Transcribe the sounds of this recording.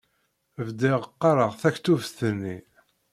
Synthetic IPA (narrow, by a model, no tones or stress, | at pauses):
vd̪ɪʁəqːɑɾəʁθæçt̪ːufθənːi